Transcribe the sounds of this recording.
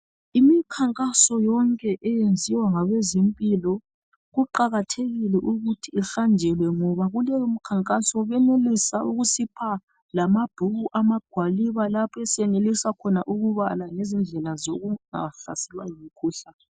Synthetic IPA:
imikʰaŋkʼasɔjɔŋkʼɛʔɛjend͡zʱiwaŋaɣezimpʼilɔ | ɣuǃaɣatʰeɣilɛʔuɣutʰiːɬand͡ʒʱɛlwɛŋɔβaɣulɛm̩kʰaŋkʼasɔβɛnelisauɣusipʰa | lamab̥ʱuɣuʔamaɡ̥ʱwaliβalapʰɛsɛnelisakʰɔnaʔuɣuβalaŋezind͡ɮʱɛlazoɣuŋa̰ɬa̰sɛlwajimikʰuːɬa

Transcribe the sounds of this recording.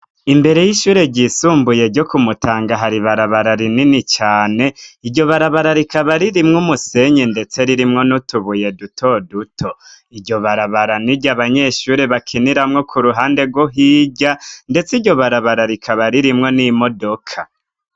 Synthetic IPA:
imbe̞ɾe̞jiʃuːɾe̞ɟisuːmbuje̞ɟokumutaːŋɡaɦaɾiβaɾaβaɾaɾininit͡ʃaːne̞iɟo̞βaɾaβaɾaɾikaβaɾiɾimŋumuse̞ɲinde̞t͡se̞ɾiɾimŋo̞nutuβuje̞dutʰo̞dutʰo̞ | iɾɟo̞βaɾaβaɾaniɟaβaɲe̞ʃuːɾe̞βakʰiniɾamŋo̞kʰuɾuɦaːnde̞ɡwoɦiːɟande̞t͡siɟo̞βaɾaβaɾaɾikʰaβaɾiɾimŋo̞nimo̞do̞kʰa

